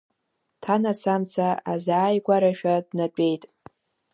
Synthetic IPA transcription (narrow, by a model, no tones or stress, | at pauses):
tʰanasʰamt͡sʰaazaːjɡʷaɾaʃᶣadnapʼe̞jtʼ